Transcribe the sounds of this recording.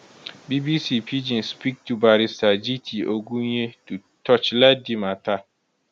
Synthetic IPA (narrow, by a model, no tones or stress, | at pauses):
bibisipʰid͡ʒĩnspik̚tʰubaɾisad͡ʒitʰiʔoɡuɲetu | tʰɔt͡ʃlɛdimatʰa